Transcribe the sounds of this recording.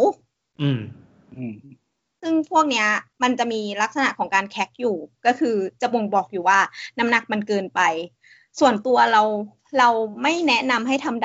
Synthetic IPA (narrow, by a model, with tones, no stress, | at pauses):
w | ʔɯː˧˩m | ʔː | sɯ˥˩ŋpʰu˥˩ək̚ni˦˥ɐma˧nt͡ɕa˨˩ʔmiː˧la˦˥k̚sa˧na̰˨˩ʔkʰɔː˩˦ŋkaː˧nkʰɛ˦˥k̚juː˨˩kɔː˥˩kʰɯː˧t͡ɕa˨˩bo˧ŋbɔː˨˩k̚juː˨˩waː˥˩na˦˥mna˨˩k̚ma˧nkɤː˧npa˧j | su˨˩ənt̪u˧ɐɾa˧w | ɾa˧wma˥˩jnɛ˦˥na˧mɦa˥˩jt̪ʰa˧md